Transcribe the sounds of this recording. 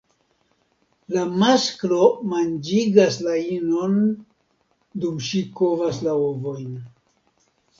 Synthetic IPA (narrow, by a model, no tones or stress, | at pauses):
lamasklo̞mand͡ʒiɡaslainon | dumʃiko̞vaslaovo̞jn